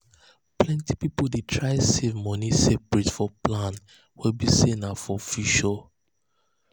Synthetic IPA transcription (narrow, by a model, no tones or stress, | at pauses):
plɛ̃ntipipoldetʰɹaɪsevmɔ̃nisepɹitfɔplãn | wɛbisenafɔfuʃɔ